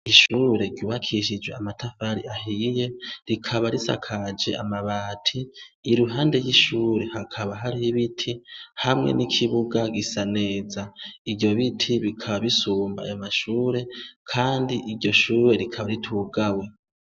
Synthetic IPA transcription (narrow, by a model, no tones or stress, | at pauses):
iʃuːɾe̞ɾɟuːβakʰiʃ̬id͡ʒweamatʰafaɾḭaɦije̞ɾikʰaβaɾisa̰kʰad͡ʒe̞̰amaβaːtʰiːɾuɦaːnde̞jiʃuːɾe̞hakʰaβaɦaɾihiβitʰihamŋḛnikʰiβuɡaɡisane̞ːzaiβɟo̞βitʰiβikʰaβaβisuːmba̰ːjomaʃuːɾe̞kʰaːndiʔiɾɟo̞ʃuːɾe̞ɾikʰaβaɾitʰuːɡawe̞